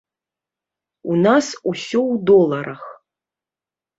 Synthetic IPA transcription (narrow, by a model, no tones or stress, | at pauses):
unasusʲɔwd̪ɔlˠɐɾʔɐx